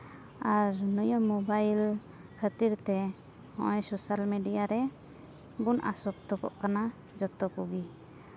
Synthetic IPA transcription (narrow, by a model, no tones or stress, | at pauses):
aɾnɔjɔmːɔbajl | kʰət̪iɾt̪ɛ | hɔ̰̃ʔɔjsosalmeɖijaɾɛ | bunʔa̰sɔk̚t̪ɔkɔ̰ʔkana | d͡ʒɔt̪ɔkuɡi